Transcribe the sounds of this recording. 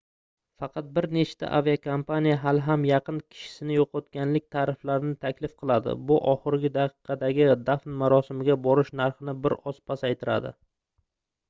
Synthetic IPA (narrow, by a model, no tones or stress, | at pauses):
fɑqʰɑt̪̚bɪɾne̞t͡ʃt̪ʰa̰ʔa̰viakʰompanijaɦalɦamjɑqʰɨnkʲʰɪ̥ʃɪ̥sɪnɪjoqʰɒt̪kʲanlɪk̚ʲt̪ʰaɾɪflaɾɪnɪt̪ʰakʲlɪfqʰɨlˠad̪ɪ̰bʊʔɒχɨɾɡʲɪd̪aqʰɨ̥qʰɑd̪aɡʲɪd̪afnmaɾɒsɪmɪɡʲabɒɾɪʃnaɾχɨnɪbɪɾɒspʰasajt̪ʰɪɾa̰d̪ɪ̰